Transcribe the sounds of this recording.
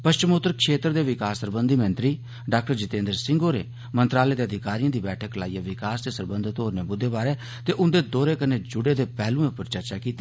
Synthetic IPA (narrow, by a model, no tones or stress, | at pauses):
pəʃt͡ʃəmoːt̪əɾkʰʃeːt̪ɾd̪eːʋɪkaːsːəɾbənd̪ʱiːmə̃nt̪ɾiː | ɖaːk̚ʈəɾd͡ʒɪt̪ẽːnd̪əɾsɪ̃ŋɡoːɾḛː | mənt̪ɾaːleːd̪eːəd̪ɪkaːɾijãːd̪iːbɛːʈʰəklaːijaːʋɪkaːsd̪eːsəɾbənd̪ʱt̪oːɾneːbʊd̪ʱːeːbaːɾeː | t̪eːʔʊnd̪eːd̪oːɾeːkəneːd͡ʒʊɽeːd̪eːpɛːlũːẽːpəɾt͡ʃəɾt͡ʃaːkiːt̪eː